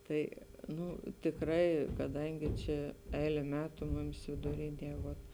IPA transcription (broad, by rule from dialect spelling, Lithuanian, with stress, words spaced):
ˈtɐɪ ˈnʊ tʲɪkˈrɐɪ kɐˈdɐŋʲɡʲɪ ˈt͡ʃʲɛ ˈɛɪlʲɛ ˈmʲæːtʊ ˈmʊmʲɪs ʋʲɪdʊˈrʲɪnʲiɛ ˈʋoːt